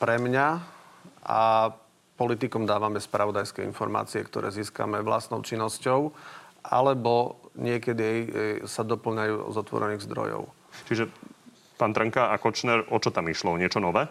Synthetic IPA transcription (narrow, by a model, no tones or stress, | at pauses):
pɾɛmɲa | ʔa̰ | pɔlit̪ikɔmd̪aːʋamɛspɾaʋɔd̪ajskɛḭnfɔɾma̰ːt͡siɛ̰kt̪ɔ̰ɾʔɛ̰ːziːska̰mɛʋla̰st̪nɔʊt͡ʃinːɔscɔʊʔa̰lɛbɔɲɪɛkɛd̪iɛjsad̪ɔpl̩ɲajuːɔ̰zɔt̪ʋɔ̰ɾɛniːɣzd̪ɾɔ̰jɔ̰ʊ | t͡ʃiʒɛ | paːnt̪ɾəŋkaakɔt͡ʃnɛɾʔɔt͡ʃɔt̪amiʃlɔɲɪɛt͡ʃɔnɔʋɛː